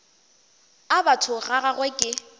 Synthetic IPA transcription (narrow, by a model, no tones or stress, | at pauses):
abatʰʊɣaɣaɣwɛkʼɪ